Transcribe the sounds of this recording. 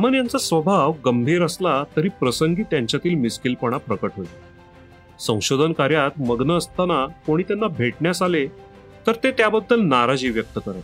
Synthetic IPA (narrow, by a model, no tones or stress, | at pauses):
amənjant͡sasʋəbʱaʋɡəmbʱiːɾəslat̪əɾiːpɾəsəŋɡiːt̪jaɲt͡ɕjat̪iːlmiskilpəɽ̃apɾəkəʈɦoj̪i | sə̃w̃ɕod̪ʱənkaɾjat̪məɡnəːst̪anakoɽ̃iːt̪janːabʱeʈɳjasale | t̪əɾt̪et̪jabəd̪ʱːəlnaɾad͡ʑiːʋjək̚t̪əkəɾat̪